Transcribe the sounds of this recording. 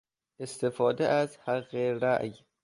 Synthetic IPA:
est̪efɒːd̪eʔæzhæɣeɾæ̰ʔj

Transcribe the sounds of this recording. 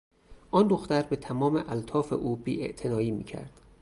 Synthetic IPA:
ʔɒnd̪o̞xt̪æɾbet̪ʰæmɒːmeʔælt̪ʰɒːfḛʔuːbiːʔḛʔt̪ʰenɒːiːmḭːcʰæ̰ɾd̪̥

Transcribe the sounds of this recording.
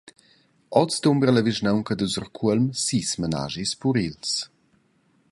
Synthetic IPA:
ɔt͡sd̪umbɾələviʒnawŋkəd̪uzɔrkʰuəlmsismana̰ʒispuɾils

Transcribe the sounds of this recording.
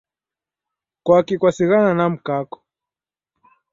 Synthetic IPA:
kwakikwasiɣananam̩kakɔ̥

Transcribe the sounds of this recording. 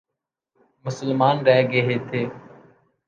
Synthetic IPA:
mʊsəlmaːnɾɛːɡeɦeːt̪ʰeː

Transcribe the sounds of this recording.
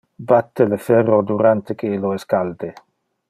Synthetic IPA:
bat̪ːelefɛrod̪uɾant̪ekeloeskald̪e

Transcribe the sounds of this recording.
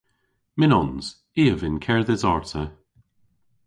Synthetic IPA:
mɪnɔnz̥ | iːəvɪnkʰɛɹðɛzɔɹtʰə

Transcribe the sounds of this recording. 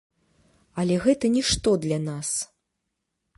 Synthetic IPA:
ɐlʲɛɣɛt̪ɐnʲiʂt̪ɔd̪lʲɐnas

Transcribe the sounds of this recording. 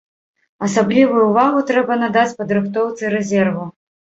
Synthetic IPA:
ɐsablʲivujuuvaɣut̪ɾɛbɐnad̪at͡sʲpɐd̪ɾɨxt̪ɔwt̪sɨɾɛzʲɛrvu

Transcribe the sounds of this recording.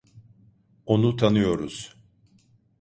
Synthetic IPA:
o̞nut̪ʰanɯjo̞ɾuz̥

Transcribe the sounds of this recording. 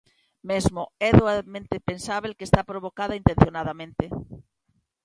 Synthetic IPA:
mezmoɛðoamẽnt̪epensaβelkest̪apɾoβokaðɐint̪ẽn̟θjonaðamẽnt̪e

